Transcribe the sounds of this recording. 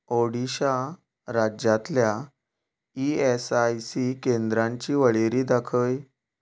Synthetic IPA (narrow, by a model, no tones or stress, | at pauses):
oɽiɕa | ɾad͡ʑat̪lja | iesajsikend̪ɾãɲt͡ɕiːʋəɭeɾiːd̪akʰəj